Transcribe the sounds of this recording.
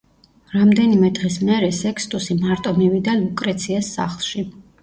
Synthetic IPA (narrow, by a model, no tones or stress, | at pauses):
ɾamd̪ɛnimɛd̪ʁismɛɾɛsɛkʰst̪ʼusimaɾt̪ʼɔmivid̪anlukʼɾɛt̪sʰiɛsːa̰χlˠʃi